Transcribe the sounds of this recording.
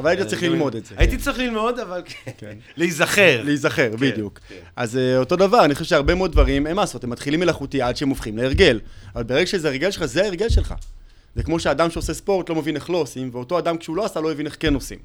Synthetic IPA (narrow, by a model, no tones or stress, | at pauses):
avalait̪at͡sɐʁiχlilmo̞d̪ezeait̪it͡sʁiχlilmo̞d̪avalkkenleizaχeʁleizaχe̞ʁbiddjukazeo̞to̞davaʁaniχoʃevʃeaʁbe̞meod̚dvaʁimemaːsot̪emat̪χilimelaχut̪iadʃeemofχimleeʁɡe̞lavalbeʁeɡaʃezeeʁɡelʃelχazeaeʁɡe̞lʃe̞lχa̰ | zekmo̞ʃeadamʃeose̞spo̞ʁt̪lo̞mevine̞χlo̞ːsimveo̞to̞adamkʃeuloasalojevineχke̞nosḭm